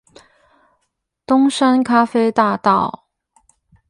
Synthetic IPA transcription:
t̪ʊ˥ŋʂa˥nkʰa˥fe˥ɪt̪a˥˧t̪ɑ˥˨˩ʊ

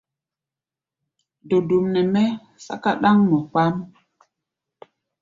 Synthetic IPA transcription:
do˨du˨mnɛ˨mɛ˦ | sa̰˦ka˦ɗa˦ŋmɔ˨k͡pa˦m

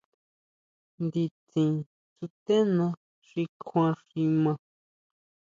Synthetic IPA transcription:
nd̪i˧t͡sĩ˨ | t͡su˧t̪e˦nã˧ | ʂi˧kʰʷã˧ʂi˧mã˧

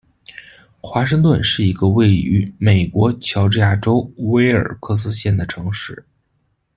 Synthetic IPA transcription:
xwa˧˥ʂ̬ɤ˥˧ŋt̪wə˥˧nʂɻ̩˥˩i˧˥ɡə˧we˥˩ɪy̰˧˥me˨˩ɪkwɔ˧˥t͡ɕʰjɑ˧˥ʊʈ͡ʂɻ̩˥˧ja˥˩ʈ͡ʂo˥ʊwe˥ɪə̰˞˨˩kʰɤ˥˧s̬ɹ̩˥ɕjɛ˥˩nd̪ə˩ʈ͡ʂʰɤ˧˥ŋʂɻ̩˥˩

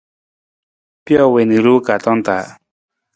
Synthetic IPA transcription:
pjɔ˦we˨ni˨ɾu˦ka˨t̪ɔ˦nt̪a˨

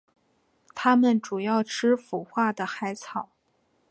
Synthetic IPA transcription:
t̪ʰa˥mə˨nʈ͡ʂu˨˩jɑ˥˩ʊʈ͡ʂʰɻ̩˥fu˨˩xwa˥˩d̪ə˩xa˧˥ɪt͡sʰɑ˨˩˦ʊ

